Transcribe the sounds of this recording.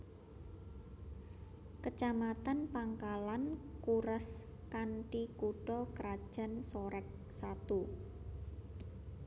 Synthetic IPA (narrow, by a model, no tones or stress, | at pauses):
kət͡ʃamat̪anpaŋkalankuɾəs | kanʈikuɖ̥ɔkəɾad̥ʒ̥a̤nsɔɾɛk̚ | sat̪u